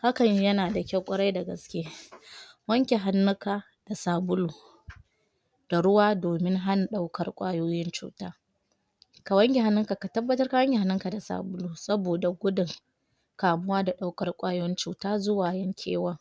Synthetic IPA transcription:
ha˦kɐ˨ɲ˦jɐ˦naː˨da˨kʲɐ˦wkʷʼʊ˦ɽa˦jda˨ɡɐ˨skʲeː˦ | wɐ˦ŋkʲe˨ɦa˦nːʊ˦kaː˨ | d̥a˨saː˨bʊ˦luː˨ | d̥a˨ɽʊ˦waː˦doː˨mɪ˦ŋɦa˦n˨ɗa˦wkɐ˦rkʷʼaː˦joː˦jɪ˦nt͡ʃṵː˦taː˦ | ka˨wɐ˦ŋkʲe˨ɦa˦nːʊ˦ŋka˨ka˨tɐ˦bːɐ˦tɐ˦rka˨wɐ˦ŋɡʲe˨ɦa˦nːʊ˦ŋka˨da˨sa̰ː˨bʊ˦luː˨sɐ˦boː˨da˨ɡʷʊ˦dɪ˨ŋ | kaː˨mʊ˦waː˦da˨ɗa˦wkɐ˦rkʷʼaː˦joː˦jɪ˦nt͡ʃuː˨taː˦zʊ˦waː˨jɐ˦ŋkʲʰḛː˦wɐ˦ŋ

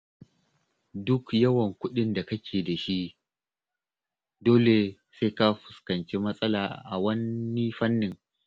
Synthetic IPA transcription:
dʊ˦kjɐ˦wɐ˨ŋkʷʊ˦ɗɪ˦nda˨kɐ˦kʲʰeː˨da˨ʃi˦ʔ | doː˦le˨ | se˦jka˦ɸʊ˨skɐ˨nt͡ʃeː˦mɐ˦sʼɐ˦laː˨ʔa̰˨wɐ˦nːi˦ɸɐ˦nːɪ˨ŋ

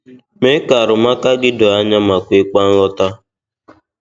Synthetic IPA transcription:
me˦ka˨ɾʊ˨ma˦ka˦ɡɪ˦do˨a˦ɲa˦ma˨kʷe˨˦k͡pa˦n̩˦ɔ˦ta˦

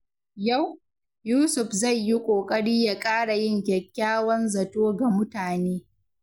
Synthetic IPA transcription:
ja˦˨w | juː˦sʊ˨ɸzɐ˦˨jji˦kʷʼoː˨kʼɐ˦ɽiː˦ja˨kʼaː˦ɽa˨jɪ˦˨ŋkʲɛ˨kʲːaː˦wɐ˦nzɐ˨toː˦ɡa˨mʊ˦taː˨neː˦

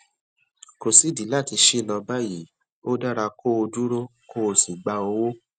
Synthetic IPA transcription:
ko˨si˦di˨˦la˦˨ti˧ʃi˦˨nã˧ba˦˨ji˨˦ | o˦da˦ɾa˧ko˦o˧du˦ɾo˦ko˦o˧si˨ɡ͡ba˧o˧wo˦

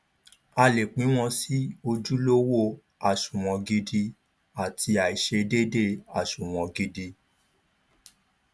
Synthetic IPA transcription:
a˧le˨k͡pĩ˨˦w̃ɔ̃˧si˦o˧d͡ʒu˦lo˦wo˦ | a˨ʃũ˨w̃ɔ̃˨ɡi˧di˧ | a˨ti˧a˨i˨ʃe˧de˦de˦˨a˨ʃũ˨w̃ɔ̃˨ɡi˧di˧

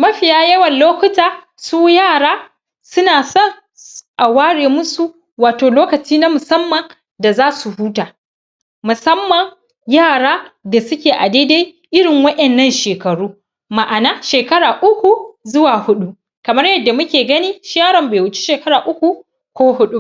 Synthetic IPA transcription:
mɐ˦ɸɪ˨jaː˦jɐ˦wɐ˨nloː˦kʊ˦taː˨ | suː˦jaː˦˨ɽaː˦ | sʊ˦naː˨sɔ˦˨ŋ | ʔa˨waː˦ɽeː˨mʊ˦su˨ | waː˨toː˨loː˦kɐ˨t͡ʃiː˦na˦mʊ˨sɐ˦mːɐ˨ŋ | da˨zaː˦su˨huː˦taː˨ | mʊ˨sɐ˦mːɐ˨ŋ | jaː˦˨ɽaː˦da˨sʊ˦kʲeː˨ʔa˨de˦de˦j | ʔɪ˦ɽɪ˨ŋwɐ˦ɗɛ˨nːɐ˦nʃeː˨kɐ˨ɽuː˦ | ma˨ʔa˨naː˦ʃeː˨kɐ˦ɽaː˨ʔʊ˦kʷu˨zʊ˦waː˨hʊ˦ɗu˦ | kɐ˨mɐ˦rjɐ˦dːa˨mʊ˦kʲeː˨ɡɐ˦niː˦ʃjaː˦ɾɐ˨mbeː˨wʊ˦t͡ʃi̥˦ʃeː˨kɐ˦ɾaː˨ʔʊ˦kʷu˨ | kʷoː˦hʊ˦ɗu˦

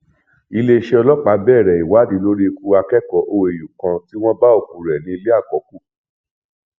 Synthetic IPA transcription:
i˧le˦˧ʃe˦ɔ˧lɔ˦k͡pa˨˦bɛ˦˨ɾɛ˨i˨wa˨˦dĩ˨˦lo˦ɾi˦˧ku˦a˧kɛ˦˨kɔ˨˦ʔo˧e˨ju˨kã˧ti˦w̃ɔ̃˦ba˦o˦˨kũ˨ɾɛ˨nĩ˨˧i˧le˦a˦˨kɔ˨˦ku˦˨

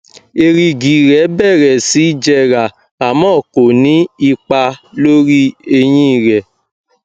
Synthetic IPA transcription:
e˧ɾi˧ɡi˨ɾɛ˨˦bɛ˦˨ɾɛ˨si˨˦d͡ʒɛ˧ɾa˨ | a˨mɔ̃ː˦˨ko˨nĩ˨˦i˧k͡pa˧lo˦ɾi˦e˧j̃ĩ˦i˦˧˨ɾɛ˨

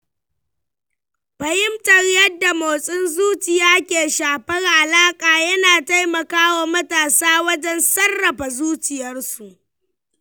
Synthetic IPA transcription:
bɐ˨hɪ˦mtɐ˨rjɐ˦dːa˨moː˨sʼɪ˦nzuː˦t͡ʃɪ˨jaː˦kʲeː˨ʃaː˨ɸɐ˦rʔa˨laː˦kʼaː˨jɐ˦naː˨ta˦jmɐ˨kaː˦wa˨mɐ˦taː˨saː˦wɐ˦d͡ʒɛ˦nsɐ˦rːɐ˨ɸa˨zuː˦t͡ʃɪ˨jɐ˦rsu˨ʔ

